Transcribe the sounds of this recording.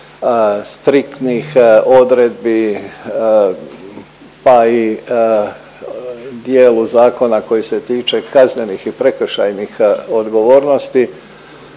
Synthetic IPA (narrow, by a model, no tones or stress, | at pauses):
st̪ɾikt̪nixo̞d̪ɾed̪̚bi | pai | d̪jeːluzaːko̞nakojiset̪iːt͡ʃe̞kazne̞nixipɾekʃajnixo̞d̪ɡo̞ʋo̞ːɾno̞st̪i